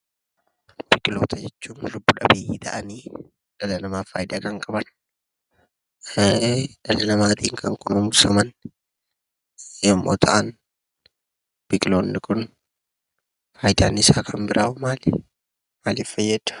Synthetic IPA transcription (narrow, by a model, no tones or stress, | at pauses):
b̥ɪkʼɪlo̞̰ːt̪ʰɐd͡ʒɛt͡ʃːuːmlʊbːʊᶑɐbeːʔiːt̪ʰɐ̰ʔɐniː | ᶑɐlɐnɐmaːfaːjd̪aːkɐŋkʼɐbɐn | ᶑɐlɐnɐmaːt̪iːŋkʰɐŋkʊnʊmʊsɐmɐn | ɐmːo̰ːt̪ʰɐʔɐn | b̥ɪkʼɪloːnːɪkʊn | faːjd̪aːnːɪɪsaːkʰɐmbɪɾʔaːʔʊmaːl | maːliːffɐjːɛd̪̥ʊ̥